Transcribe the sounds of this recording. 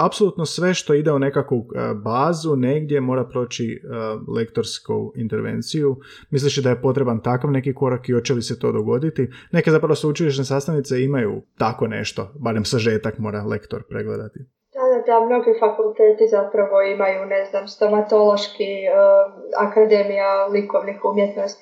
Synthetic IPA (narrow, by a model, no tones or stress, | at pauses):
apsoluːt̪nosʋe̞ʃt̪o̞id̪e̞une̞kakʋubaːzune̞ɡd̪je̞mo̞ːɾapɾo̞ːt͡ɕile̞kt̪o̞ɾsko̰int̪e̞ɾʋḛnt̪siju | mis̬liʃid̪ajepo̞t̪ɾe̞bant̪akaʋne̞kiko̞ɾakio̞t͡ʃeliset̪o̞ːd̪o̞ɡo̞d̪it̪ine̞ke̞zapɾaʋosut͡ʃiliʃnesast̪anit̪se̞imajṵt̪ako̞ne̞̰ʃt̪o̞baɾemsaʒe̞ːt̪akmo̞ːɾalḛkt̪o̞ɾpɾḛɡlḛd̪at̪i | d̪̥ad̪ad̪amno̞ɡifakulˠt̪eːt̪izapɾaʋo̞imajuneznaːmst̪omat̪o̞lo̞ʃki | a̰kad̪emijalikoʋnixumjet̪nost̪i